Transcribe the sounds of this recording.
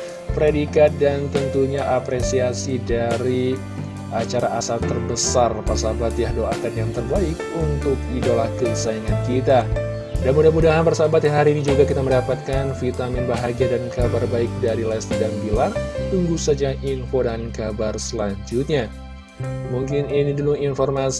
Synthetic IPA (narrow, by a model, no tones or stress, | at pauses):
pəɾedikat̪̚dant̪ənt̪uɲaʔapɾesiasidaɾi | at͡ʃaɾaʔasalt̪ərbəsarpasabat̪jahdoakanjaŋt̪ərbaɪkunt̪ʊk̚idalahkəbəsaiŋankit̪a | danmudamudaɦanbərsabat̪jãɦaɾiːnid͡ʒuɡakit̪aməndapat̪̚kanfit̪amɪnbaɦaɡiadankabarbaɪk̚daɾilast̪dambilart̪uŋɡusad͡ʒaʔinfodankabarsəlaɲd͡ʒut̪̚ɲa | muŋkɪninidəluŋinfɔrma